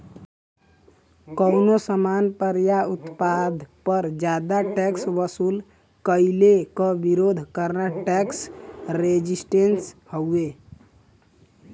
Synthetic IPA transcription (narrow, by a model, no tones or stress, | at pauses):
kəwnosəmanpəɾjaut̪pad̪ʱpəɾd͡ʒad̪aʈɛksbəsul | kəjilekəbiɾod̪ʱkəɾnaʈɛksɾed͡ʒisʈenshəwe